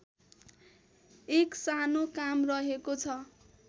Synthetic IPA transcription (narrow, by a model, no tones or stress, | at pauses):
eksanokamrʌɦekot͡sʰʌ